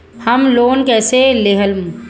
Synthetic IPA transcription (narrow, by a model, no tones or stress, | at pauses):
hɐmloːnkɛːseleːɦəlm